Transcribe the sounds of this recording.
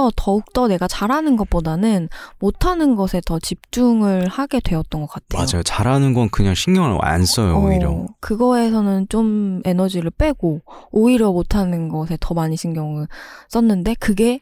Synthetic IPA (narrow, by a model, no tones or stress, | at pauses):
ʌtʌuk̚t͈ʌne̞ɡat͡ɕaɾanɯnɡʌp͈odanɯnmotʰanɯnɡʌsʰe̞tʌt͡ɕip̚t͡ɕ͈uŋɯɭhaɡe̞dwe̞ʌt̚t͈ʌnɡʌk͈atʰemad͡ʑajot͡ɕaɾanɯnɡʌnkɯɲaŋɕʰiŋɡjʌŋɯɭa̰ns͈ʌjo̰oiɾjʌ̰kɯɡʌe̞sʰʌnɯnt͡ɕome̞nʌd͡ʑiɾɯɭp͈e̞ɡ̥ooiɾjʌmotʰanɯnɡʌsʰe̞tʰʌmaɲiɕʰiŋɡjʌŋɯɭs͈ʌnːɯnde̞kɯɡe̞